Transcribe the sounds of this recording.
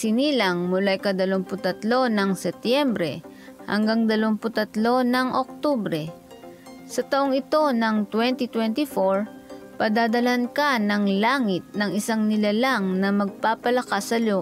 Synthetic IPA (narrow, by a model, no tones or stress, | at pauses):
sɪniːlɐŋmʊlajkɐd̪ɐloŋpʊt̪ɐt̪lo̞nɐŋsɛp̚t̪jɛmbɾɛ̰ | hɐ̰ŋɡaŋd̪ɐloŋpʊt̪ɐt̪lo̞nɐŋʔok̚t̪obɾɛ | sɐt̪ɐʔoŋɪt̪o̞nɐŋt̪wɛnt̪it̪wɛnt̪ɪfoɹ | pɐd̪aːd̪ɐlankanɐŋlaːŋɪt̪̚nɐŋɪsaŋnɪlalaŋnɐmɐɡ̚papɐlɐkasɐlo